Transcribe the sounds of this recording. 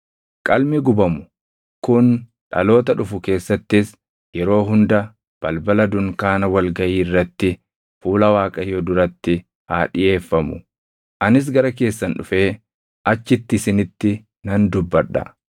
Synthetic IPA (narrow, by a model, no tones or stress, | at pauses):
kʼɐlmɪɡʊbɐmʊ̥ | kʊn | ᶑɐ̰lo̞ːt̪ɐᶑʊfʊke̞ːsːɐt̪ːɪs | jɛɾo̞ːɦʊnd̪ɐ | b̥ɐlbɐlɐd̪ʊŋkaːnɐwɐlɡɐjiːɪrːɐt̪ːɪ | fuːlɐwaːkʼɐjod̪ʊɾɐt̪ːɪ | haːᶑɪje̞ːfːɐmʊ | ʔɐnɪs̬ɡɐɾɐk̬e̞ːsːɐnᶑʊfe̞ː | ʔɐt͡ʃːɪt̪ːɪɪsɪnɪt̪ːɪ | nɐnd̪ʊbːɐᶑːɐ̰